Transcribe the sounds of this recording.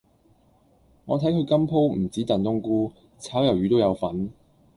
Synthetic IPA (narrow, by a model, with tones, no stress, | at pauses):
ŋɔː˨˧t̪ʰɐ˨˥jkʰɵ˨˧ɥkɐ˥mpʰo˥wm̩˨˩t͡siː˨˥t̪ɐ˨nt̪ʊ˥ŋkuː˥ | t͡sʰaː˨˥wjɐ˨˩wjyː˨˧t̪̬o˥wjɐ˨˧wfɐ˨˥n